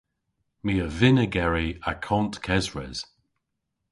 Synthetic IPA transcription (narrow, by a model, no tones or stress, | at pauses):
miːəvɪnəɡɛɹiakʰɔntkʰɛzɹɛ̰z̥